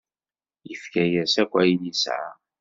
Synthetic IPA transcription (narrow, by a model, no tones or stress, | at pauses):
jəfkæjæsækʷːæjiljisʕa̰